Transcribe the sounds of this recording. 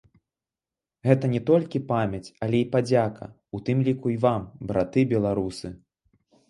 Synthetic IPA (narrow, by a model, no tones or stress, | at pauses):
ɣɛt̪ɐnʲɛt̪ɔlʲkʲipamʲɐt͡sʲɐlʲɛipad͡zʲakʰɐ̰ | ut̪ɨmlʲikuivambɾat̪ɨbʲɛlˠaɾusɨ